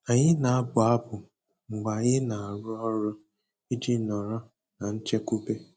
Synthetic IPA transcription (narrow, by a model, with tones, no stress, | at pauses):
a˨ɲɪ˦na˨a˦bʊ˨a˦bʊ˨ | ŋ͡m̩˨ɡ͡ba˨ɲɪ˦na˨a˨ɾʊ˦ɔ˦ɾʊ˦ | i˦d͡ʒi˦nɔ˨ɾɔ˦ | na˨n̩˦t͡ʃe˦ku˦ke˦